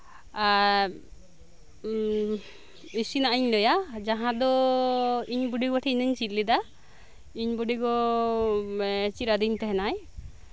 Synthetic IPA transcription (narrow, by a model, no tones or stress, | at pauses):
isinaʔiɲlɔjad͡ʒaɦãd̪ɔ | iɲbuɖiɡaʈʰiinəɲt͡ʃit̪̚ˀlid̪a | iɲbuɖiɡɔ | t͡ʃiɾad̪iɲt̪ɛɦɛnaj